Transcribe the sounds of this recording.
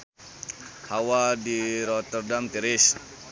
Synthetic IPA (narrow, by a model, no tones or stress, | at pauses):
hawadiɾɔt̪ərdamt̪iɾɪs